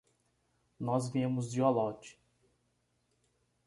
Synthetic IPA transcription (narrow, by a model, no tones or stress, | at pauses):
nɔzvĩmʊzd͡ʒiolɔt͡ʃɪ̥